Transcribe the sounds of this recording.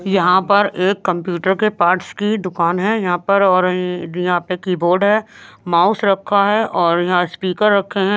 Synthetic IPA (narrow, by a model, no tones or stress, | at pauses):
jɐɦãpɐɾʔeːkːɐ̃mpjuːʈəɾkepaːɾʈskid̪ʊkaːnɦɛjɐɦãpɐɾɔːɾjɐɦãpekiːboːɾɖɦɛːmaːʊsɾɐkʰːaɦɛʔɔːɾjɐɦãspiːkəɾːɐkʰːeɦɛ̃